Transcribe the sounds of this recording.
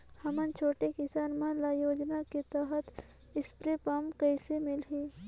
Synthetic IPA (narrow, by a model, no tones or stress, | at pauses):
hɐmənt͡ʃʰoːʈekɪsaːnmãlaːjoːd͡ʒnaket̪əɦət̪ | ɪspɾepəmkəɪsemɪlɦĩː